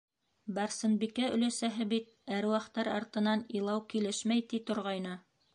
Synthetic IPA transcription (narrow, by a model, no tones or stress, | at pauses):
bɑɾsɤ̆nbikæɵ̆læsæɦɘbit̪̚æɾwɑqt̪ːɑɾɑɾt̪ɤ̆nɑnilˠɑwkilɘʃmæjt̪it̪ŏɾʁɑjnɤ